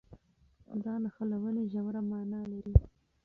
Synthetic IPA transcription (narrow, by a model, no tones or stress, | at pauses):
d̪ɑnaxalawəneʒawɾamɑnɑlaɾi